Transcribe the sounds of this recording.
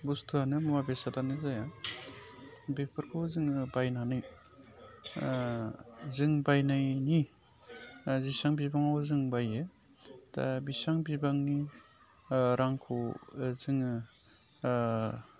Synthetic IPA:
bustʰuanɯmumabesadanɯzaja | bepʰɯɾkʰozɯŋbajnanɯj | zɯŋbajnajni | zisaŋbibaŋawzɯŋbaje | ta̰bisaŋbibaŋni | ɾaŋkʰozɯŋ

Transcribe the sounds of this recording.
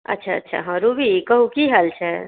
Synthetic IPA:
ə̰tːt͡ʃʰaə̰tːʃʰa̰ɦə̃ɾubʱikəɦukiɦəlt͡ʃʰɛ

